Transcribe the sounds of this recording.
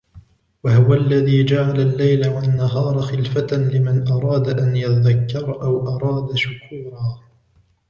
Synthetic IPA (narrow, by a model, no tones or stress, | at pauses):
wahʊwaʔlːaðiːd͡ʒaʕalalːajlawanːaɦɑːɾˤxɪlfat̪anlɪmanʔɑɾˤɑːd̪aʔanjat̪aðakːɑɾˤʔawʔɑɾˤɑːd̪aʃʊkʰuːɾɑː